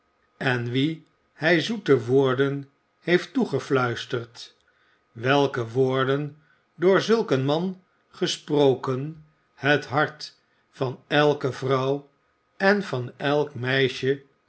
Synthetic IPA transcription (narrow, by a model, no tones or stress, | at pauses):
ɛnʋi | hɛjzutəʋʊːɹdən | hejftuχəflœɥstərt | ʋɛlˠkəʋʊːɹdən | dʊːɹzɵlˠkənmɑn | χəsprowkən | hətɦɑɹt | fɑnɛlˠkəvrɑw | ɛnvɑnɛlˠkmɛjʃə